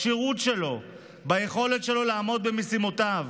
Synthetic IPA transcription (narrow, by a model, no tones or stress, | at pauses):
ʃiʁutʃe̞lo̞ | bajeχo̞letʃe̞lo̞laːmo̞d̪̚bemesimotav